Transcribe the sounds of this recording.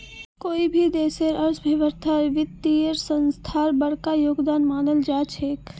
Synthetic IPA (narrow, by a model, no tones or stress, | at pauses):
koːibʱid̪eːseɾʔɐɾsbʱəʋəɾt̪ʰaɾʋɪt̪ːiəɾsə̃nst̪ʰaːɾbəɽ̤kajoːɡd̪aːnmaːnəld͡ʒaːt͡ʃʰeːk